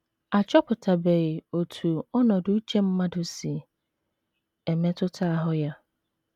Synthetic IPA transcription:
a˨t͡ʃʰɔ˦pʰʊ˨tʰa˨bɛ˨o˨tʰu˨ɔ˦nɔ̃˨dʊ˦t͡ʃʰɛ̃˦m̩˦mã˦dʊ˨˦si˨ | ɛ˨mɛ̃˦tʰʊ˦tʰaː˦ɦʊ˦ja˦

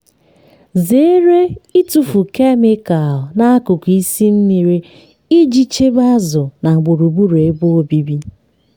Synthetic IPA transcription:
ze˨˦ɾe˦i˦tu˨fu˨ke˦mɪ˦ka˨na˦a˦kʊ˨ki˦si˦n̩˦ni˨ɾe˦ | i˦d͡ʒi˦t͡ʃe˦ba˦zʊ˨na˨ŋ͡m̩˨ɡ͡bo˨ɾu˨bu˦ɾe˨˦bo˦o˦bi˦bi˦

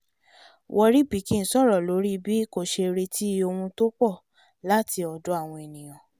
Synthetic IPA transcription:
wʔɔ˧ɾi˦k͡pi˨˦kĩ˦˨n̩˨˦sɔ˦˨ɾɔ˨lo˨˦ɾi˦bi˦ko˦˨ʃe˧ɾe˧tʰi˦o˧hũ˧to˦k͡pɔ˦˨ | la˦ti˧ɔ˨do˦a˦˨w̃ɔ̃˧e˨nĩ˨j̃ã˨

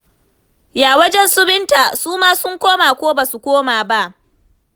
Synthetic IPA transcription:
jaː˨wɐ˦d͡ʒɛ˦nsʊ˦bɪ˦nta˨suː˦maː˦sʊ˦ŋkʷoː˦maː˨kʷoː˦ba˨su˨kʷoː˦maː˨ba˦ʔ

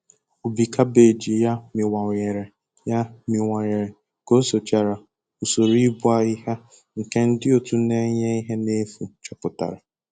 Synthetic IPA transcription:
o˨bi˨kʰa˦be˨d͡ʒi˨ja˦mɪ˨wa˨ɲe˨ɾe˨ | ja˦mɪ˨wʷa˨ɲe˨ɾe˨ | ko˦so˨t͡ʃa˨ɾa˨ | u˨so˨ɾi˦bʊ˦a˨i˦ɦa˦ | ŋ̩˨ke˦n̩˦dɪ˦o˨tu˦ne˦ɲe˦i˦ɦe˦ne˦fu˨˦t͡ʃɔ˨pʊ˨ta̰˨ɾa˨

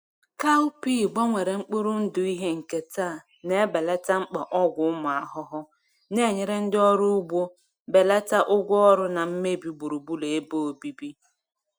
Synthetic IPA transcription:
ka˦piː˦ɡ͡bɔ˦ŋʷe˨ɾe˨ŋ͡m̩˦k͡pu˦ɾu˦n̩˦dʊ˨i˦ɦe˦ŋ̩˨ke˨taː˦˨ | ne˦be˨le˦ta˦ŋ͡m̩˦k͡pa˨ʔɔ˦ɡʷʊ˦ʊ˦mʊ˨a˨ɦʊ˦ɦʊ˦ | ne˦˨ɲe˨ɾe˦n̩˦dɪ˦ɔ˦ɾʊ˦ʊ˦ɡ͡bʷo˦ | be˨le˦ta˦ʔʊ˦ɡʷʊ˦ɔ˦ɾʊ˦na˨m̩˦me˦bi˨ɡ͡bu˨ɾu˨bu˦le˨e˦bo˦o˨bi˦bi˦

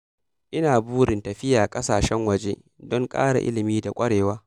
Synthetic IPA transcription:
ʔɪ˦naː˨buː˦ɽɪ˨ntɐ˨ɸɪ˦jaː˨kʼɐ˦saː˨ʃɛ˦ŋwɐ˨d͡ʒe˦ | dɔ˦ŋkʼa̰ː˦ɽa̰˨ʔɪ̰˦lɪ˨miː˦da˨kʷʼɐ˦ɽeː˨waː˦

